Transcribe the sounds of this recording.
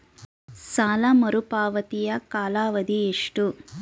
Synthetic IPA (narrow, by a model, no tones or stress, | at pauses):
saːlɐmɐɾupaːʋɐt̪ijɐkaːlaːʋɐd̪ieʂʈu